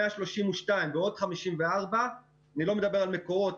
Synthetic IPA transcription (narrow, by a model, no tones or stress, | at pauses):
eaʃlo̞ʃimuʃtajmbeo̞d̪χamiʃimveaʁba | anilo̞med̪abe̞ʁalmeko̞ʁo̞t